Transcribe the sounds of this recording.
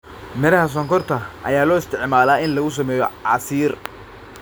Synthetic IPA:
mɛɾɐhɐs̬ɔŋkʰɔrt̪ʰɐʔɐ̰jaːlɔːɪst̪ʰɪʕmaːlaːɪnlɐɣʊs̬ɐmɛːjɔʕɑːsiːr

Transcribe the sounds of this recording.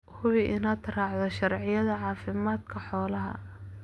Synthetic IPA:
hʊwiʔɪnaːt̪ʰɐɾɑːʕðɔʃɐrʕɪjɐðɐʕɑːfɪmaːd̪kʰɐħɔːlɐɦɐ̰

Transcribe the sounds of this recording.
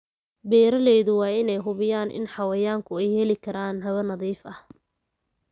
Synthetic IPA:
bɛːɾɐlɛːðʊwɑːɪnɛjɦʊβɪjaːnʔɪ̰nħɑwɐjaːŋkʰʊɛjhɛlɪkʰɐɾaːnɦɐβɐnɐðiːfɐh

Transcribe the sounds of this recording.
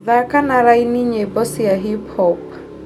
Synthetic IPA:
ðakʼanaɾainiɲebɔsijaɦipʰɔp̚

